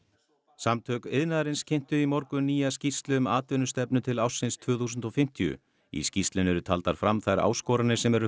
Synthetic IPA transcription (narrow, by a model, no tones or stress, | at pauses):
samt̪ʰœːkeðnaðɾɪnscʰɪn̥t̪ʏimɔɾkʏniːjascist̪lʏmaːt̪vɪnʏst̪ɛpnʏt̪ʰɪlawsːɪnst̪ʰvʏːθuːsʏnt̪ɔfɪm̥t̪ʰiʏ̰ | ḭscist̪lɪnɛɾʏt̪ʰalt̪aɾ̥fɾamθajɾa̰ːwskɔːɾanɪsɛmɛɾʏ